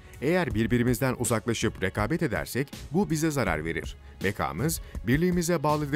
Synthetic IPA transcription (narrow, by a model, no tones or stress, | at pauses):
e̞jæɾbiɾbiɾimizd̪ænʔuzaklˠaʃɯpɾe̞kʰaːbɛt̪e̞d̪æ̰ɾsɛcbubizɛzaɾa̰ɾve̞̰ɾḭɾ̝̥ | bekʰa̰ːmɯzbiɾlʲiːmizɛbaːlˠɯd̪